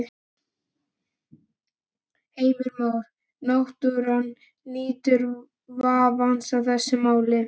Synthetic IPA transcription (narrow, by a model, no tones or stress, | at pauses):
heːjvʏɾmaːwɾ̥ | nawht̪ʏɾanː | iːt̪ʏɾ | vaːvansawθɛsːɪmaːwlɪ